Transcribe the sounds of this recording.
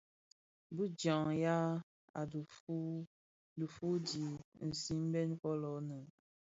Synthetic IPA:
bu˦d͡ʒã˨ŋja˦ | a˨du˨u˦ | du˨fu˦di˨n̩˨si˦m˦bɛ˦n˦fɔ˦lɔ˨˦nə˨

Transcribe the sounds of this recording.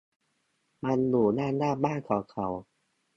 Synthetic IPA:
ma˧nluː˨˩naː˥˩naː˥˩baː˥˩nkʰɔː˨˦ŋkʰa˨˦w

